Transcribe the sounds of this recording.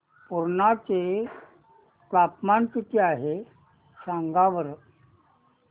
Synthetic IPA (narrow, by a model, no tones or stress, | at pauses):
puɾɳat͡se | pɽapmankit̪ʰeaɦe | sãŋɡaʋəɾ